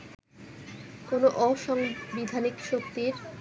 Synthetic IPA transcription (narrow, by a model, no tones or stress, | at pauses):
konoʔɔʃɔŋbid̪ʱanikʃokt̪iɾ